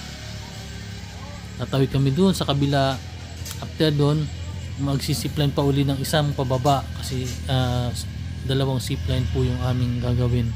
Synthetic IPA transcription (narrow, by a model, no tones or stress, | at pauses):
t̪at̪awɪɡ̚kɐmɛd̪ʊʔonsɐkɐbɪla | ʔɐp̚t̪ɛɾd̪onmɐɡsisiplajnpɐʔuːlɪnɐŋɪsaŋpɐbɐbaʔkɐsɛa | d̪ɐlɐwaŋsiplajnpʊjʊŋʔaːmɪŋɡaɡɐwɪn